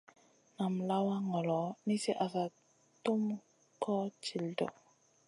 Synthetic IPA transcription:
na˨mla˦wa˦ŋɔ˨lɔ˨ni˦si˦ʔa˨sa˨ | tu˦m | kɔ˦t͡ʃi˨ldɔ̰˨

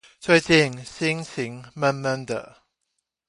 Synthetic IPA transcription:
t͡sʰwe˥˧ɪt͡ɕi˥˨ŋɕi˥ŋt͡ɕʰi˨˦˥ŋmə˥nmə˥˩nd̪ə̰˨

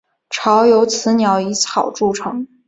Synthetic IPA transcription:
ʈ͡ʂʰɑ˧˥ʊjo˧˥ʊt͡sʰɹ̩˧˥njɑ˧˥ʊi˧˥t͡sʰɑ˨˩ʊʈ͡ʂu˥˩ʈ͡ʂʰɤ˧˥˦ŋ

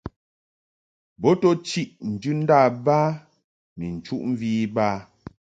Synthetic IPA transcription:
bɔ˦tɔ˦t͡ʃi˦ʔn̩˨d͡ʒʉ˦n̩˦daː˦˨baː˦ | mḭ˨n̩˨t͡ʃu˦ʔm̩˦viː˦baː˦

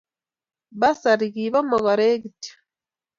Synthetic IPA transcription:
ba˦sa˨ɾiɣiβa˦maɣa˨ɾe˦ɡitḁ

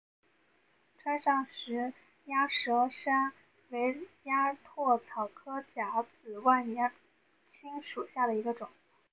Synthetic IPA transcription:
ʈ͡ʂʰwa˥nʂɑ˥˩ŋʂɻ̩˧˥ | ja˥ʂɤ˧˥ʂa˥n | we˧˥ɪja˥t̪ʰwɔ˥˩t͡sʰɑ˨˩ʊkʰɤ˥t͡ɕja˧˥t͡sɹ̩˨˩wa˥˩nnjɛ˧˥ | t͡ɕʰi˥ŋʂu˨˩ɕja˥˩d̪ə˩i˧˥ɡə˧ʈ͡ʂʊ˨˩˦

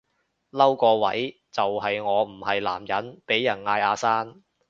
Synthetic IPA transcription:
lɐ˥wkɔː˧wɐ̰˨˥j | t͡sɐ˨whɐ˨jŋɔː˨˧m̩˨˩hɐ˨jla̰ː˨˩mjɐ˨˥npe˨˥jːɐ˨˩nŋaː˧jaː˨˧saː˥n

